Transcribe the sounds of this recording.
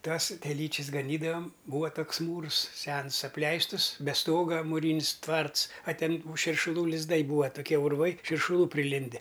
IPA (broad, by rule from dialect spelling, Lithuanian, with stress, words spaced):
ˈtɐs tʲɛˈlʲiːt͡ʃʲɪs ɡɐˈnʲiːdɐʋɐm ˈbuːʋɐ ˈtoːks ˈmuːrs ˈsʲɛns ɐpʲˈlʲɛɪstʊs bʲɛ ˈstoːɡɐ mʊˈrʲiːnʲɪs ˈtʋɐrts ɐ ˈtʲɛn tuː ʃʲɪrʃʊˈlˠuː lʲɪzˈdɐɪ ˈbuːɐ toːˈkʲiɛ ʊrˈʋɐɪ ʃʲɪrʃʊˈlˠuː pʲrʲɪˈlʲɪnʲdʲɛ